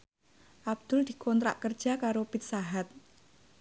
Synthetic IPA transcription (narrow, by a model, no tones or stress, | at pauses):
ʔab̚d̪̥ʊld̪̥i̤kɔnt̪ɾa̰ʔkər̥ʒ̥a̤kaɾopit̪̚saɦat̪̚